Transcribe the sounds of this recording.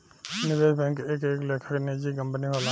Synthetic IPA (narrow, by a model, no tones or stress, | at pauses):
nɪʋeːdbɛ̃ːŋkeːkeːkleːkʰəkneːd͡ʒikɐ̃mpniɦoːla